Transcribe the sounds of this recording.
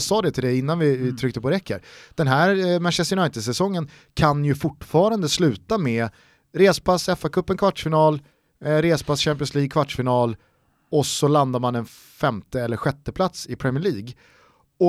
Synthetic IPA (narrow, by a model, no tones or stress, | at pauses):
sɑːd̪ɛt̪ʰɪld̪ɛɪnːanvɪt̪ʰɾʏk̚t̪əpɔɾɛkːə̰ɾd̪̥ɛnɦæːɾmaʂɛsjʊnajt̪ɪd̪sɛsɔŋːən | kʰanjɵfʊʈːfɑːɾand̪əslʉ̟ːt̪amɛ | ɾeːsə̥pʰasɛfakʰɵpːɛnkʰvaʈːʂfɪnɑːl | ɾeːsə̥pʰasɕæmp̬ɪənsliːɡ̚kʰvaʈʂfɪnɑːl | ɔsɔland̪aɾmanɛn | fɛmt̪əɛlːəɾɧɛt̪ːəpʰlat̪sɪpʰɾɛmɪəɭiːɡ | ɔ